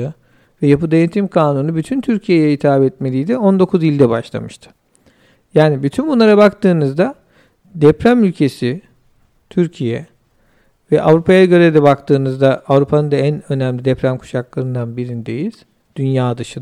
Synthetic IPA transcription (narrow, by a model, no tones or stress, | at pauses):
ɯ | vɛjapɯd̪ejet̪ʰimkʰaːnunubyt̪ʰynt̪ʰyɾcʰijejɛit̪ʰaːbɛt̪me̞lʲijd̪ɛo̞nd̪o̞kʰuzilʲd̪ɛbaʃlˠa̰mɯʃt̪ʰɯ̥ | jaːnibyt̪ʰynbunlˠaɾabakt̪ɯːnɯzd̪a | d̪ɛpɾæmylʲcʰe̞si | t̪ʰyɾcʰijɛ̰ | vɛʔavɾupʰajaɟø̞ɾed̪ɛbakt̪ʰɯːnɯzd̪aavɾupʰanɯnd̪aænø̞næmlʲid̪ɛpɾæmkʰu̥ʃaklˠaɾɯnd̪anbiɾind̪e̞jiz̥ | d̪̥ynjaːd̪ɯʃɯ